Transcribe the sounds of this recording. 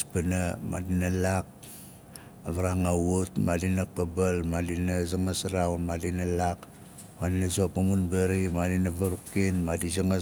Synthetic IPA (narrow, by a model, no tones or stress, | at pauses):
spanama̰dinalak̚ | aβaɾaŋawutmadinapabalmadinazaŋasɾaunmadinalak | madinazopamunbeɾimadinaβaɾukːinmadizaŋa